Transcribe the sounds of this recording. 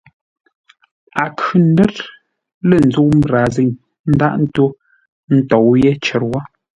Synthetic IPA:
a˨kʉ˨n̩˦dɛ˦t | lə˦˨n̩˨zu˦˨ʔm˦˨ɾa˨zi˦˨ŋ | n̩˦da˦ʔn̩˦to˦ | n̩˦tɔ˨wje˦t͡ʃɛ˨ɾwɔ˦

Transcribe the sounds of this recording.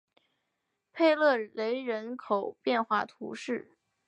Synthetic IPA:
pʰe˥˧ɪlɤ˥˩le˧˥ɪɻə˧˥nkʰo˨˩ʊpjɛ˥˧nxwa̰˥˩t̪ʰṵ˧˥ʂɻ̩˥˩

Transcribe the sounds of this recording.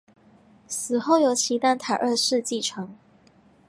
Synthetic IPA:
sɹ̩˨˩xo˥˩ʊjo˨˧˥ʊt͡ɕʰi˧˥t̪a˥˩nt̪ʰa˨˩ɪʔə˥˧ʂɻ̩˥˧t͡ɕi˥˩ʈ͡ʂʰɤ˧˥ŋ

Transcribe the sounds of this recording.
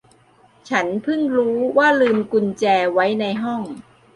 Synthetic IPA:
t͡ɕʰa˦˥npʰɯ˥˩ŋɾuː˦˥waː˥˩lɯː˧mku˧nt͡ɕɛː˧wa˦˥jna˧jɦɔ˥˩ŋ

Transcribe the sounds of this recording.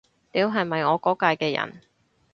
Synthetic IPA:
t̪iː˨˧˥wɦɐ˨jmɐ˨jŋɔː˨˧kɔː˨˥kaː˧jkɛː˧jɐ̰˨˩n

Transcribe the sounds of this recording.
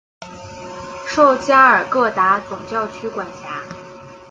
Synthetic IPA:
ʂo˥˧ʊt͡ɕja˥ə˞˨˩kɤ˥˩t̪a˧˥t͡sʊ˨˩ŋt͡ɕjɑ˥˩ʊt͡ɕʰy˥kwa˨˩nt͡ɕʰja˧˥

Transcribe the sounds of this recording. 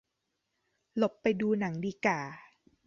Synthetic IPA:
lo˨˩pːa˧jduː˧na˩˦ŋdiː˧kaː˨˩

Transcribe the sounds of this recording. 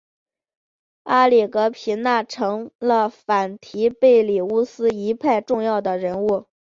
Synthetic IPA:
a˥li˨˩kɤ˧˥pʰi˧˥nna˥˩ʈ͡ʂʰɤ˧˥ŋlə˧fa˨˩nt̪ʰi˧˥pe˥˩ɪli˨˩u˥˩sɹ̩˥i˧˥pʰa˥˧ɪʈ͡ʂʊ˥˧ŋjɑ˥˩ʊd̪ə˩ɻə˧˥nu˥˩

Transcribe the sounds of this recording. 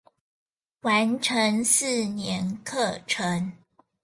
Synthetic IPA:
wa˧˦nʈ͡ʂʰə˧˥ŋs̩˥˩njɛ˧˥nkʰɤ˥˩ʈ͡ʂʰə˧˦ŋ

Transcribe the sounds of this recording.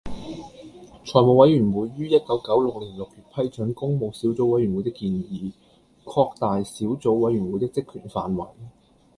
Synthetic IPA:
t͡ʃʰɔː˨˩jmo˨˧wɐ˨˥jyː˨˩nwuː˨˧jːyː˥jɐ˥t̚kɐ˨˥wkɐ˨˥wlʊ˨k̚liː˨˩nlʊ˨k̚jyː˨˩t̚pʰɐ˥jt͡ʃɵ˨˥nkʊ˥ŋmo˨˧wsiː˨˥wt͡so˨˥wɐ˨˥jɥy˨˩mwu˨˧jt̪ɪ˥kːiː˧njiː˨˥ | kʰɔː˧k̚t̪aː˨jsiː˨˥wt͡so˨˥wwɐ˨˥jɥyː˨˩wuː˨˥jt̪ɪ˥k̚t͡sɪ˥kʰy̰ː˨˩nfa̰ː˨nwɐ˨˩j

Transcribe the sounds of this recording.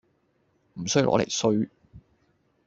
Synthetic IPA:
m̩˨˩sɵ˥ɥjwlɔ̰ː˨˧le˨˩jsɵ˥ɥ

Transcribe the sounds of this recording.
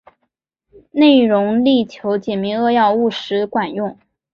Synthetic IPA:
ne˥˩ɪɻʊ˧˥ŋli˥˩t͡ɕʰjo˧˥ʊt͡ɕjɛ˨˩nmi˧˥ŋɤ˥˧jɑ˥˧ʊu˥˩ʂɻ̩˧˥kwa˨˩njʊ˥˩ŋ

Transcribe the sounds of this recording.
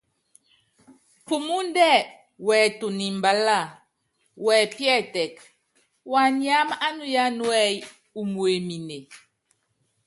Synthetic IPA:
fu˨mu˦n˦dɛ˦˨ | wɛ˨tu˨ni˨mba˨la˦˨ | wɛ˨pjɛ˦˨tɛ˨k | wa˨ni˦a˦m˦a˦nu˦ja˦nwɛ˦j | u˨mwe˨mi˨ne˨

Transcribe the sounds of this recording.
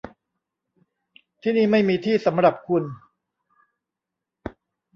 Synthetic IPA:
t̪ʰiː˥˩niː˥˩ma˥˩jmiː˧t̪ʰiː˥˩sa˩˦mɾa˨˩p̚kʰu˧n

